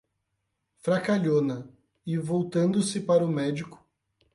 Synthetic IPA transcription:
fɾakaʎonɐ | ɪvowt̪ɐ̃nd̪ʊsɪpaɾɐʊmɛd͡ʒikʊ̥

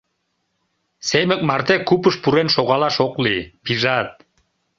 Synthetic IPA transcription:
semə̆k̚mɑrt̪ekupəʃpuɾenʃoɣɑlɑʃoklipiʒɑt̪̚

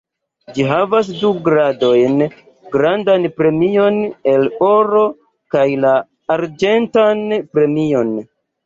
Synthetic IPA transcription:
d͡ʒiɦavas̬duɡɾado̞jn | ɡɾandanpɾe̞mio̞ne̞lo̞ɾo̞ | kajlaː | ɾd͡ʒe̞ntanpɾe̞mio̞n

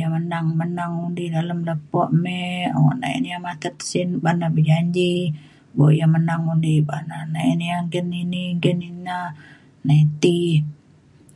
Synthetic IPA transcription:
jamənaŋmənaŋundidaləmləpɔʔmɛa̰wɔ̰ʔna̰ɛ̰njamat̪ət̪sinbanabəd͡ʒaɲd͡ʒi | boʔjamənaŋundibananaɛnjaŋɡəniniŋɡənina | nait̪i

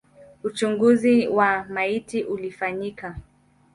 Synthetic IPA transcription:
ut͡ʃuŋɡuziwamaitiʔulifaɲika

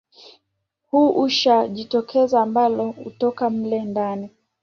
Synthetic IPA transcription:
huʔuʃaʄitɔkʰɛzaːmbalɔṵtɔkam̩lɛndani

